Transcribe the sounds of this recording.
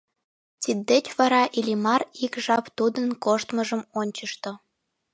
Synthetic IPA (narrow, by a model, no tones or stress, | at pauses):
t̪id̪ːet͡ɕβɑɾɑʔilʲimɑrikʒɑpt̪ud̪ənkoʃt̪məʒəmonʲt͡ɕəʃt̪ŏ